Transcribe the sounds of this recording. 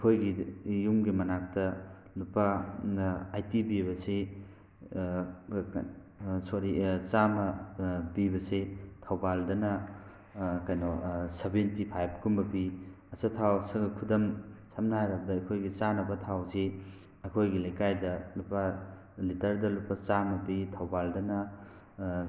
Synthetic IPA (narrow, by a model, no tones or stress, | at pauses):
ikʰojɡijumɡimɐnak̚tɐ | lupaː | jtibibɐse | soɾit͡ʃamɐbibɐsetʰɐwbaldɐnɐ | kajnosebentipʰajb̚kumbɐpi | ɐsɐtʰawskʰudɐmsɐmnajɾɐbɐdɐːjkʰojɡit͡ʃanɐbɐtʰawsi | ɐkʰojɡilɐjkajdɐlupːɐ | litɐɾdɐlupːɐt͡ʃamɐpitʰɐwbaldɐnɐ